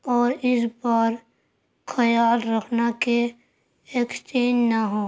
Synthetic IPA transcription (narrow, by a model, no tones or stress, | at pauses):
ɔːɾɪs̬baːɾ | xʰɐjaːlɾɐkʰnake | eːkst͡ʃeːnːaɦoː